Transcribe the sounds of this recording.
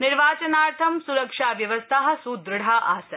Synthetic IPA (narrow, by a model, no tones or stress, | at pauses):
nɪɾʋaːt͡ʃɐnaːɾt̪ʰɐmsuɾɐkʂaːʋjɐʋɐst̪ʰaɦɐ̆suːd̪ɾɐɽaʔaːsɐ